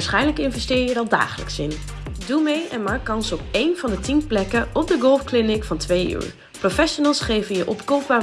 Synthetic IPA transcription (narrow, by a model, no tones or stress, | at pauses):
sχɛjnləkɪnvɛstɪːɹjədɑlˠda̰ːχələ̰ksɪn | dumejʔɛnmaːkːɑnsɔpejnvɑndətinplɛkəʔɔb̚dəɡɔlˠfklɪnɪkfɑntʋejy̰ːɹ | profɛʃonəlˠsχejvənjəʔɔpkowpa